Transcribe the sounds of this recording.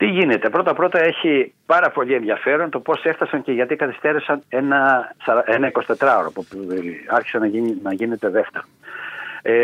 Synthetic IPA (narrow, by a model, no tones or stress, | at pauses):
t̪iʝine̞t̪e̞pɾo̞t̪ɐpɾo̞t̪ɐe̞çipɐɾɐpo̞ʎie̞nðjɐfe̞ɾo̞nt̪o̞po̞se̞ft̪ɐsɐɲceʝɐt̪ikɐθi̥st̪e̞ɾesɐne̞nɐsɐɾɐenɐiko̞si̥t̪et̪ɾɐoɾopupɐɾçi̥senɐinɐʝine̞t̪e̞ðe̞ft̪e̞ɾo